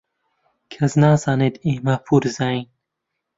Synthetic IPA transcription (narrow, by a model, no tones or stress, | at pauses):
kʰɐznaːzaːneːd̪eːmɐpʰuːɾzaːiːn